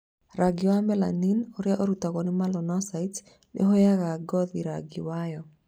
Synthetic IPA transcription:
ɾaɡɪwamɛla̰ninɔɾjaʔoɾutaɣɔnɪmalɔnɔsait | lʔḛɦojaɣaɡɔðiɾa̰ɡɪwajɔ

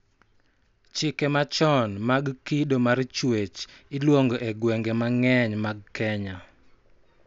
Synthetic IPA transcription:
t͡ʃɪkɛmat͡ʃɔnmaɡkidomart͡ʃwet͡ʃɪlwoŋɡoʔɛɡwɛŋɡɛmaŋɛɲmaɡ̚kɛɲa

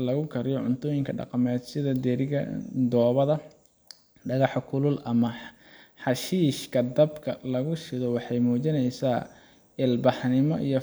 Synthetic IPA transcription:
lɐɣʊkʰɐɾɪjɔʕʊnt̪ʰɔːjɪŋkʰɐɖɑ̰qɑmɛːd̪sɪðɐd̪ɛɾɪɣɐ̰d̪ɔːβɐðɐ | ɖɐɣɑħkʰʊlʊlʔɐmɐ | ħɑʃiːʃkʰɐd̪ɐbkʰɐlɐɣʊʃɪðɔwɑħɑjmuːt͡ʃɪnɛjsaː | ɪlbɑħnɪmɔ̰ʔḭjɔ

